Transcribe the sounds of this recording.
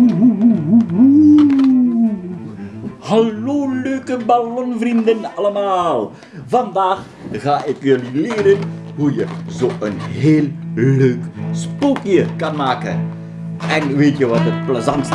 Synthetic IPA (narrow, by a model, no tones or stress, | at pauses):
uɦuɦuɦuɦu | həloːløɥkəbalɔnvrindənɑləmaːlˠ | vɑndaːx | ɣaːʔɪkjɵlilɪːɾənɦujəzoːʔənɦeːlløːkspukjəkɑnmaːkə̰n | ʔɛnʋeːtjəʋɑtət̚pləzɑn